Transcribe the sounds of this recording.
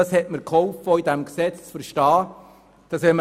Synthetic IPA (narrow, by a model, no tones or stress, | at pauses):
ɑshɛtməɾkhɔʊfɔidæmksɛt͡st͡sfəɾʃtɑː | d̥ɑsʋɛmə